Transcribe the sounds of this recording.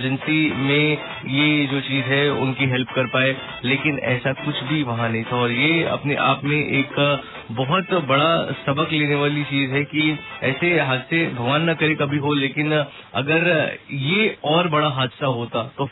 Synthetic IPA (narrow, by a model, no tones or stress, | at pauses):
d͡ʒənsimẽ | jed͡ʒoːt͡ʃiːzɦɛʊ̰nkiɦɛlp̚kɐɾpaːe | leːkɪnɛ̰ːsakʊt͡ʃʰbʱiʋɐɦãnɐɦĩt̪ʰaɔːɾjeɐ̰pnḛʔa̰ːpmẽʔeːk | bɐɦʊt̪bɐɽasɐbəkleːneʋaːlit͡ʃiːzɦɛkiɛːseɦaːd̪sebʱɐɡʋaːnːɐkɐɾekɐbʱiɦoleːkɪn | ɐ̰ɡəɾjeɔːɾbɐɽaɦaːd̪saɦoːt̪at̪oː